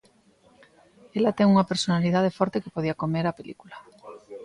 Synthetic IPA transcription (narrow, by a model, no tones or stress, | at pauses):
elat̪eŋuŋapeɾsonaliðað̞efɔɾt̪eke̥poð̞iakomeɾapelikula